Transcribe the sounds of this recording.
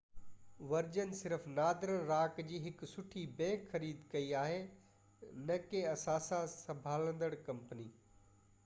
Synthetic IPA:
ʋɐɾd͡ʑənɪ̆sɪɾəfnaːd̪ɪɾəɽ̃ɾaːkd͡ʑiːɦɪksʊʈʰibɛ̃ːkxɐɾiːd̪kɐiaːɦe | nɐkẽɐsãːsãsɐ̃bʱaːlə̃nd̪əɽkɐ̃mpniː

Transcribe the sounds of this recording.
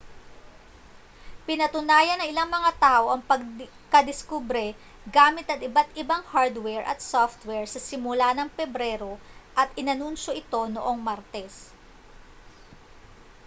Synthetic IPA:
pɪnɐt̪ʊnaːjɐnːɐŋɪlaŋmɐŋat̪aːʔo̞ʔɐŋpɐɡ̚ | kɐd̪ɪskubɾɛ | ɡaːmɪt̪ɐt̪ɪbat̪̚ɪbaŋhaɹd̪wɛɹʔɐ̰t̪̚soft̪wɛɹsɐsɪmʊlanɐŋpɛbɾɛːɾo̞ʔɐt̪ʔɪnɐnunʃo̞ʔɪt̪o̞noʔo̞ŋmaɾt̪ɛs

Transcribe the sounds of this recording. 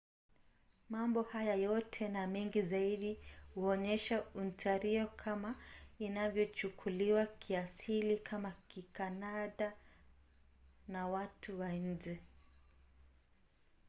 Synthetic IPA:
mambɔhajajɔtʰɛnamɛŋɡizaiɗihuɔɲɛʃauntʰaɾiɔkʰamainavjɔt͡ʃukʰuliwakʰiasilikʰamakikanaɗa | nawatʰuwaɲ̩d͡ʒɛ

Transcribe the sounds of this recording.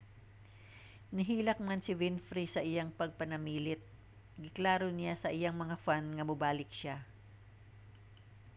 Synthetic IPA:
nɪɦiːlɐk̚mansɪvɪnfɾisɐʔɪjaŋpɐɡ̚pɐnɐmiːlɪt̪̚ | ɡɪklaːɾonɪjasɐʔɪjaŋmɐŋafanŋɐmʊbaːlɪk̚ʃa

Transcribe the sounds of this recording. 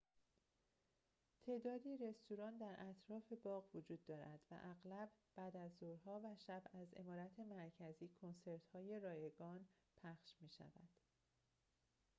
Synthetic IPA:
t̪ʰe̞ːd̪ɒːd̪iːɾe̞st̪uɾɒːnd̪æɾʔæt̪ʰɾɒːfe̞bɒːɣvod͡ʒuːd̪ːɒːɾæ̰d̪̥væ̰ʔæɣlæbb̥æːd̪æzːoɾɦɒːvæʃæbæze̞̰mɒːɾæt̪ʰe̞mæɾcʰæziːkʰo̞nse̞ɾt̪hɒːje̞ɾɒːje̞ɡɒːn | pʰæχʃmiːʃæ̰væ̰d̪̥

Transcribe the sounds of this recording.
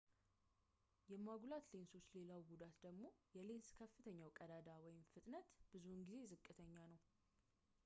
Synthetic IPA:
jɛmaɡulat̪le̞nso̞sle̞lawɡud̪at̪d̪əɡmo̞jɛle̞nskʰəfːɨt̪ʰəɲːawkʼəd̪ad̪awɔjɪmfɨt̪ʼnət̪b̥ɨzunɡize̞zɨkʼːɨt̪ʰəɲːanəw

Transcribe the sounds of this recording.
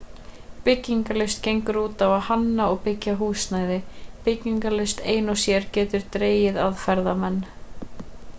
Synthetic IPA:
pɪcːiŋkalɪst̪cejŋkʏɾuːt̪avaðhanːaɔɣpɪcːaɦuːsnaːjðɪpɪcːiŋkalɪst̪eːjnɔsjɛɾcɛːt̪ʏɾ̥t̪ɾeːjɪðaðfɛɾðamɛnː

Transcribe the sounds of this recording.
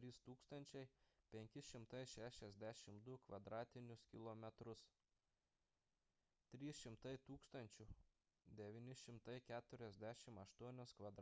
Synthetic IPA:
ɾʲiːst̪uːkst̪ɐnʲt͡ʃʲɛɪpʲɛŋʲkʲɪʃʲɪmt̪ɐɪʃʲæːʃʲɛzʲd̪ʲæʃʲɪmd̪ʊkʋɐd̪ɾɑːt̪ʲɪnʲʊskʲɪlˠomʲɛt̪ɾʊs | t̪ʲɾʲiːsʃʲɪmt̪ɐɪt̪uːkst̪ɐnʲt͡ʃʲʊ | d̪ʲɛʋʲiːnʲɪʃʲɪmt̪ɐɪkʲæːt̪ʊɾʲɛzʲd̪ʲæʃʲɪmɐʃt̪uɔnʲoːskʋɐd̪

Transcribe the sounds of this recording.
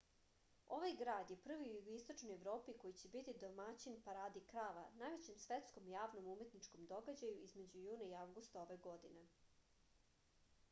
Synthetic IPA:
o̞ʋajɡɾaːd̪je̞pr̩ʋiujuɡist̪o̞t͡ʃnojeʋɾo̞ːpiko̞jit͡ɕe̞bit̪id̪omat͡ɕinpaɾaːd̪ikɾaːʋanajʋe̞t͡ɕe̞msʋe̞t̪skomjaːʋno̞mume̞t̪nit͡ʃko̞md̪o̞ɡad͡ʑajuizme̞d͡ʑujuːnaiaʋɡust̪ao̞ʋe̞ɡo̞d̪ine̞

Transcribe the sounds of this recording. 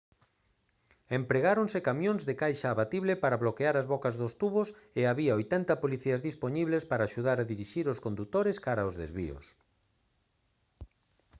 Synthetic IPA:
empɾeɣaɾonsekamjõŋzðekajʃaːβat̪iβlepaɾaβlokeaɾazβɔkazðost̪uβoseaβiaojt̪ɛnt̪ɐpoliθiɐzðispoɲiβlespaɾaːʃuð̞aɾaðiɾiʃiɾoskond̪ut̪oɾeskaɾaozðḛzβḭo̰s

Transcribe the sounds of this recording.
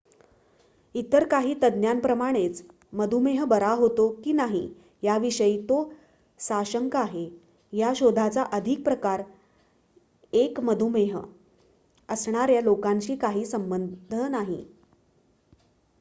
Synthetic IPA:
it̪əɾkaɦiːt̪əd̪njanpɾəmaɽ̃et͡s | məd̪ʱumeɦəbəɾaɦot̪okiːnaɦḭ | jaʋiɕəiːt̪o | saɕəŋkaɦe | jaɕod̪ʱat͡saʔəd̪ʱik̚pɾəkaɾ | ekməd̪ʱumeɦ | əsɳ̃aɾjalokaɲt͡ɕiːkaɦiːsəmbənd̪ʱənaɦḭ

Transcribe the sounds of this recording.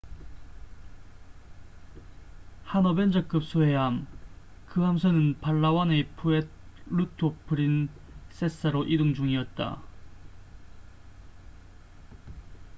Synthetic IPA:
hanʌbend͡ʑʌk͈ɯp̚s͈ʰoɦeɦam | kɯɦamsʰʌnɯnpaɭːawanepʰuet̚ | ɾutʰopʰɯɾin | s͈es͈aɾoʔidɯŋd͡ʑuŋiʌt̚t͈a̰

